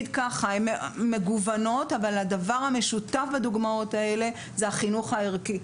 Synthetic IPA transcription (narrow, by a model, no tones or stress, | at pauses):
dkaχaemmːe̞ɡuvano̞tavalhadavaʁhame̞ʃutafbad̪uɡmao̞tae̞le̞ | zehaχinuχaiʁki